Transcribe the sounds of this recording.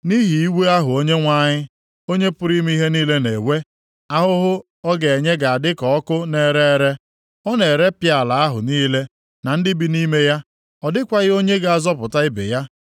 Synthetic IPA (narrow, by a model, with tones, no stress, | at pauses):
ni˦ɦi˨i˦we˦a˦ɦʊ˨o˦ɲe˦ŋʷa˦ɲɪ˦ | o˦ɲe˦pʊ˦ɾi˦m˦i˦ɦe˦niː˦le˦ne˨we˦ | a˦ɦʊ˦ɦʊ˦ | ɔ˦ɡe˨e˨ɲe˦ɡa˨a˨dɪ˦kɔ˨ɔ˦kʊ˦ne˨ɾe˦ɾe˦ | ɔ˦ne˨ɾe˦pja˨la˨a˦ɦʊ̰˨niː˦le˦ | na˨n̩˦dɪ˦bi˨ni˦me˦ja˦ | ɔ˨dɪ˦kʷa˨ɣɪ˦o˦ɲe˦ɡa˨a˨zɔ˦pʊ˨ta˦ɪ˦bḛ˨ja˦